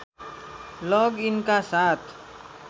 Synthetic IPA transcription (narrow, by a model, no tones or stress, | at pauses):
lɔɡinkasat̪